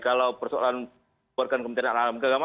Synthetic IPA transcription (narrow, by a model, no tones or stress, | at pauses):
kalaupərsoa̰lan | barkankəmənt̪aɾananalamkaɡama